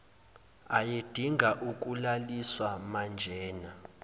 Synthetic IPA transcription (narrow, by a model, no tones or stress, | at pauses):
ajed̥ʱiŋʱaʔuk̬ʼulaliswamand͡ʒʱɛːna